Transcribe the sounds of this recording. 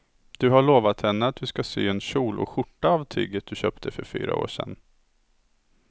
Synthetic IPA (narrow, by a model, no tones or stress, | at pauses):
d̪̥ɵɦaɭoːvat̪hɛnːəat̪̚d̪ɵskasyːɛnɕuːlʔɔ̰ɧʊʈːaːvt̪ʰy̰ːɡət̪̚d̪ɵɕœːpt̪ʰəfœɾfy̰ːɾa̰o̰ːʂɛ̰nː